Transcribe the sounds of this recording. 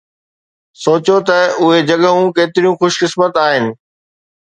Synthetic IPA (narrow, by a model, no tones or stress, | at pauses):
soːt͡ɕot̪ɐʊɦed͡ʑɐɠəɦũkeːt̪ɪɾijũxʊʃkɪsmət̪aːɦɪnɪ̆